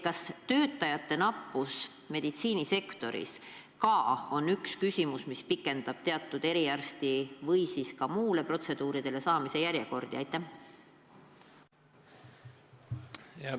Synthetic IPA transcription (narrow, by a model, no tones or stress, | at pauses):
kɑst̪ø̞ːt̪ˑːɑjɑt̪ːˑe̞nɑpːˑus | me̞d̪̥it̪siːnise̞kt̪o̞ɾḭs | kɑo̞nːykskysʲimusmispikːˑe̞nd̪̥ɑb̥t̪e̞ɑt̪ːˑud̪̥e̞ɾiærst̪ivɤjsiskɑmuːle̞pro̞t̪se̞d̪uːɾid̪̥e̞le̞sɑːmise̞jæɾjeko̞rd̪̥iɑjt̪ːˑæh | jɑ